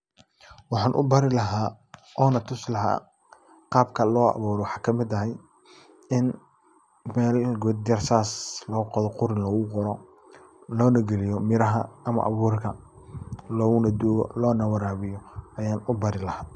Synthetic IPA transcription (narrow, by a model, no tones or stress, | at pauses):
wɑħɑːnʔʊ̰bɐɾɪlɐɦaː | ʔɔːnɐt̪ʰʊslɐɦa̰ː | qɑːb̚kʰɐlɔːɑ̰βuːɾɔwɑħɑːkʰɐmɪd̪ɐɦɛj | ɪn | mɛːlɡʊːd̪̚ɐrsaːslɔːɣqɔðɔqʊɾɪnlɔːɣʊqɔɾɔ | lɔːnɐɡɛlɪjɔmɪɾɐɦɐɐmɐ̰ʔɑ̰βuːrkʰɐ | lɔːɣʊnɐd̪uːɣɔ̰lɔːnɐwɑɾaːβɪjɔɐjaːnʊbɐɾɪlɐhaː